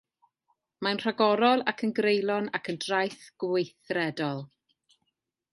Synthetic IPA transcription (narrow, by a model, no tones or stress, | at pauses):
maənr̥aɡɔɾɔlˠakʰənɡrejlˠɔnakʰəndrajθɡ̥wejθrɛdɔlˠ